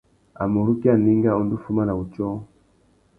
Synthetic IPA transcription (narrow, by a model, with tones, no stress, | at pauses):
a̰˨mo˨ɾu˦ki˦a˨ni˦ŋɡa˦ɔ˨ndu˦fu˦ma˦na˨u˨t͡ʃɔ˦